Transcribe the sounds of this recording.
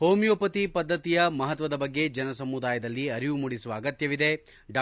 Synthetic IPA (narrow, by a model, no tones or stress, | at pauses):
hoːmjoːpɐt̪ipɐd̪ʱːɐt̪ijɐmɐɦɐt̪ʋɐd̪ɐbɐɡːe̞d͡ʒɐnɐsɐmud̪aːjɐd̪ɐlːiɐɾijumuɽisuʋɐːɡɐt̪jɐʋid̪e̞ | ɖaː